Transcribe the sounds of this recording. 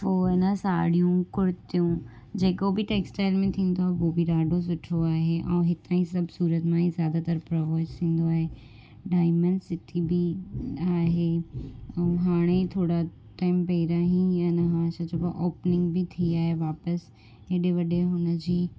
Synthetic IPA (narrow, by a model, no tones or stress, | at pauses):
poːɪnəsaːɽijũkʊɽɪt̪ijũ | d͡ʑeːkobɪʈeːksʈaːɪlmẽt̪ʰĩːn̆d̪oaːɦeɦobiɾaːɖʱos̬ʊʈʰoaːɦeʔɛ̰̃ːɦɪt̪aːĩsɐbʱsuːɾət̪mãɦĩzjaːd̪at̪ɐɾpɾɐʋoːst̪ʰĩːn̆d̪oaːɦe | ɖaːɪmə̃nɖsɪt̪ʰibiaːɦe | ɛ̃ɦaːɽ̃et̪ʰoːɽa | ʈaːɪmpɐɪɾaɦĩɐnəɦãːsɐd͡ʑopɐʔoːpnɪ̃ŋɡbɪt̪ʰiaːɦeʋaːpəs | eɗeʋɐɗeɦʊnə̆d͡ʑiː